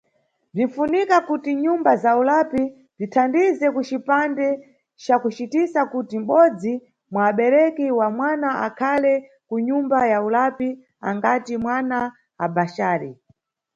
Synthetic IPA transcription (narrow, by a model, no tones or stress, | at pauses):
b͡ʐiɱ̩funikakutiɲumbazaulapi | b͡ʐitʰandizɛkut͡ʃipandɛ | t͡ʃakut͡ʃitisakutim̩ɓɔd͡zi | mwaːɓɛɾɛkiwamwanaa̰kʰalɛ | kuɲumbajaulapi | a̰ŋɡatimwana | abaʃaːɾi